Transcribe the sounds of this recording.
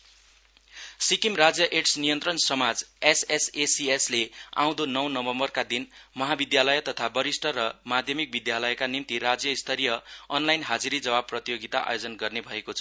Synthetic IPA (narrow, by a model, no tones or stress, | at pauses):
sikimrad͡zjʌʔeʈsnijʌnt̪rʌnsʌmad͡zesesesieslea̰w̃d̪onʌwnʌbʌmbʌrkad̪inmʌɦabid̪jalʌjʌt̪ʌt̪ʰabʌɾisʈʰʌɾʌmad̪ʱjʌmik̚bid̪jalʌjkanimt̪irad͡zjʌist̪ʰʌɾijʌʌnlajnɦad͡ziɾid͡zʌbab̚prʌt̪ijoɡit̪aʔa̰jod͡zʌnɡʌrnebʱʌekot͡sʰʌ